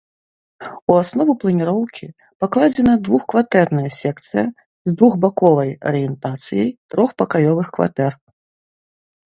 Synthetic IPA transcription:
uasnɔvuplˠɐnʲiɾɔwkʲʰi | paklˠad͡zʲɛnɐd̪vuxkvat̪ɛrnɐjɐsʲɛk̚t̪sɨjɐ | zd̪vuɣbakɔvɐjɐ̰ɾɨjɛnt̪at̪sɨjɐjt̪ɾɔxpɐkajɔvɨxkva̰t̪ɛr

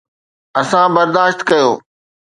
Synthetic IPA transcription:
ɐsãbɐɾd̪aːʃt̪kɐjoː

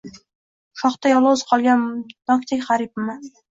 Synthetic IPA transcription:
ʃɒχt̪ajɒlˠʊzqʰɒlˠɡʲand̪̥ɒk̚ʲt̪ʰekʲχaɾip̚ma

